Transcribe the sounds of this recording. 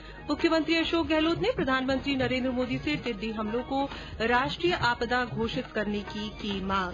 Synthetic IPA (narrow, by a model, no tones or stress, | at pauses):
mʊkʰjəmə̃nt̪ɾiɐʃoːk̚ɡɛɦloːt̪nepɾɐd̪ʱaːnmə̃nt̪ɾinɐɾẽːnd̪ɾəmoːd̪iset̪ɪd̪iɦɐmlõko | ɾaːʃʈɾiːjəʔaːpd̪aɡʱoːʃɪt̪kɐɾnekikimãːŋɡ